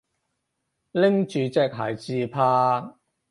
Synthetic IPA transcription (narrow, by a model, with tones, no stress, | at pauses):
lɪ˥ŋt͡ʃyː˨t͡sɛː˧k̚ɦa̰ː˨˩jt͡siː˧pʰaː˧